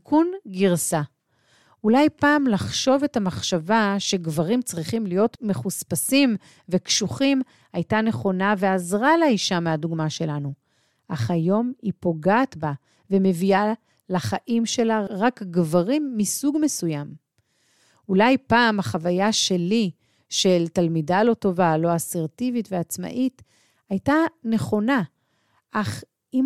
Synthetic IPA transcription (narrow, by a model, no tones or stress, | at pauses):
kʰunɡiʁsa | ulajpaːmlaχʃo̞ve̞tamaχʃavaʃe̞ɡvaʁimt͡sʁiχimlijo̞tme̞χuspasim | ve̞kʃuχim | ajtane̞χo̞naveazʁaleiʃameaduɡmaʃe̞lanu | ʔaχajo̞mipo̞ɡaːtba | veme̞via | laχaʔimʃe̞laʁakɡvaʁimːisuɡmesujam | ulajpaːmaχavajaʃe̞li | ʃe̞ltalmidalo̞to̞valo̞aseʁtivitveat͡sma̰ʔit | ajtane̞χo̞na | ʔaχ | im